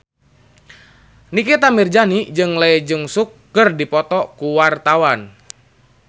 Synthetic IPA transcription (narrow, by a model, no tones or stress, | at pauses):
nikɛt̪amird͡ʒanid͡ʒɨŋlaɛd͡ʒɨŋsukːɨrdipɔt̪ɔkuwart̪awan